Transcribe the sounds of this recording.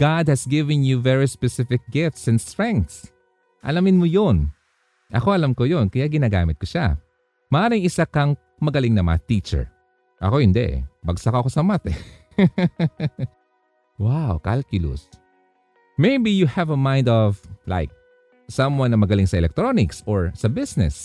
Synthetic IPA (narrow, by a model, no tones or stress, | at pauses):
ɡ̥ad̪̚hɐsɡɪvɛ̃njuvɛɹispɛsɪfɪk̚ɡɪft̪sɛnd̪st̪ɹɛ̃ŋk̚t̪s | ʔɐ̰lamɪnmojon | ʔɐ̰ko̞ʔɐlamkojonkɐjaɡɪnaːɡa̰ːmɪt̪̚koʃa̰ | mɐʔaːɾɪŋʔɪsakɐŋ | mɐɡɐlɪŋnɐmɐ̰ŋɐt̪it͡ʃɛ̰ɹ | ʔɐ̰ko̞hɪnd̪ɛ̰bɐɡsɐkoɐkosɐmat̪ɛ | wawka̰lkjʊlʊ̰s | mejbijuhɛvɐmãj̃nd̪ɔvlʔa̰jk̚ | sɐ̃mwanːɐmɐɡɐlɪŋsɐʔɛlɛk̚t̪ɾonɪksoɹsɐbɪsnɛ̰s